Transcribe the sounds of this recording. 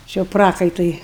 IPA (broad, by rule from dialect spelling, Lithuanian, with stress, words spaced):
t͡ʃʲɪ jɛʊ ˈprɑːkɐɪtʊɪ